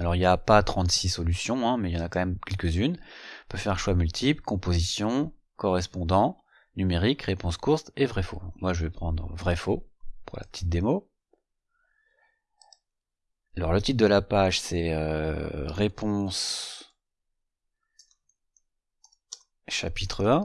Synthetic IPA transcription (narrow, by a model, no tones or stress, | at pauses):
alɔʁiljapat̪χɑ̃t̪sisɔlysjɔ̃ɛ̃mɛljɑ̃nakɑ̃mɛmkʲɛlkəzynpøfɛʁʃwamylt̪ʰiplkɔ̃pozisjɔ̃ | kɔʁɛspɔ̃d̪ɑ̃ | nymeʁikʁepɔ̃skuʁt̪evʁɛfõ̰kmwaʒəvɛpχɑ̃d̪ʁəvʁɛfopuʁla̰pə̥t̪ʰit̪̚d̪emo | alɔʁlət̪it̪̚d̪əlapaʒsɛøʁepɔ̃s | ʃapit̪χəɛ̃